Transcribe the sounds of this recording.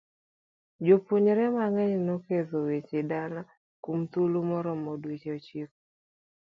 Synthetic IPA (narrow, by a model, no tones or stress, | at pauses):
d͡ʒopuɲɾɛmaŋɛɲnokezowet͡ʃɪdala | kumt̪ulumɔɾɔmodwit͡ʃeot͡ʃik̚o̥